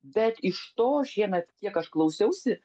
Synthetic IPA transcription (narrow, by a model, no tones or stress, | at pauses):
bʲɛt̪ɪʃt̪oːʒʲiɛnɐk̪ʲiɛkɐʃklˠɐʊsʲɛʊsʲɪ